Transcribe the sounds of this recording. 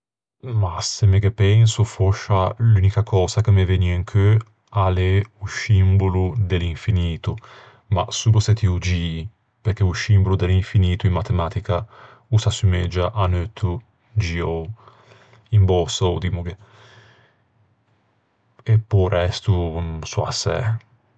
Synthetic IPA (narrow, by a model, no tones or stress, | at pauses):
masemeɡepɛnsufoʃːalynikakʰɔːzakemeveniiŋkʰø | aleusimbolud̪eliɱfiniːt̪u | ma̰suːluset̪iud͡ʒi | peɾk̟eusimbolud̪eliɱfiniːt̪uimmat̪emat̪ika | usasymed͡ʒaʔanøt̪ʰːu | d͡ʒiow | imbɔsoud̪imuɡe | epːɔɾɛst̪usua̰sɛ̰